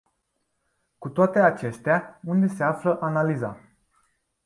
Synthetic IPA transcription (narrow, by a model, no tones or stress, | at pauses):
kut̪oat̪e̞at͡ʃe̞st̪eaund̪e̞seafləʔanaliza̰